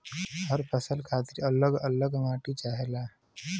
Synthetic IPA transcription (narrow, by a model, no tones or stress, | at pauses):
ɦəɾpʰəsəlkʰaːt̪ɪɾələɡələɡŋaːʈit͡ʃaːɦelaː